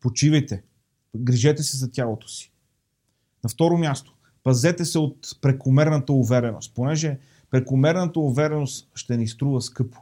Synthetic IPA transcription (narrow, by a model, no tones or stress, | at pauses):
pot͡ʃivɐjt̪ɛ | ɡɾiʒɛt̪ɛsɛzɐt̪ʲjalˠot̪o̥si̥ | nɐft̪ɔɾomjast̪o̥ | pɐzɛt̪ɛsɛot̪̚pɾɛkomɛɾnət̪əuvɛɾɛno̰st̪̚ponɛʒɛ | pɾɛkomɛɾnət̪əʊvɛɾɛnost̪ʃt̪ɛnist̪ɾuvəskɤpo̥